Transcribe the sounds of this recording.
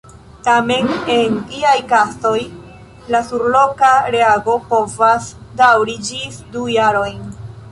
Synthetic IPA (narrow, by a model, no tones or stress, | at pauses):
tame̞ne̞nliajkaso̞j | lasuɾlo̞kaɾeaɡo̞po̞vasdawɾid͡ʒisdujaɾo̞jn